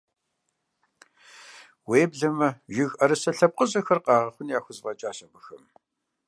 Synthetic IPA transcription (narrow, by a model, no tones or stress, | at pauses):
weːbɮɐmɐʒɪɣɐɾɨsɐɬɐp̚qəʑʼɐxɐrqɑːʁɐχʷʊnjaːxʷʊzvɐt͡ʃʼaːɕɐbɨxɐm